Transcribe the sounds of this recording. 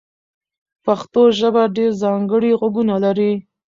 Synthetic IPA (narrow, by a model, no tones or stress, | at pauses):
paxt̪oʒəbaɖeɾzɑŋɡəɽiɣwaɡunalaɾi